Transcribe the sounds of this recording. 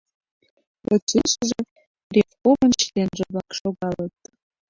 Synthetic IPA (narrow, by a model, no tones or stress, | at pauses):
prot͡seʃə̆ʒĕ | rʲefomə̆nʃlenʒĕβlɑkʃoɣɑlət̪̚